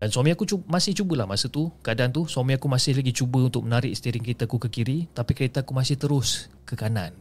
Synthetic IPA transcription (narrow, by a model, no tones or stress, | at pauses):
danswamĩakut͡ʃumãsɪht͡ʃubəlahmasət̪ukəadaant̪uswamĩakumãsɪhlaɡit͡ʃubəunt̪ʊk̚mənaɾɪʔsət̪iɾɪŋkəɾet̪akukəkiɾit̪apikəɾet̪akumasɪht̪əɾʊs | kəkanan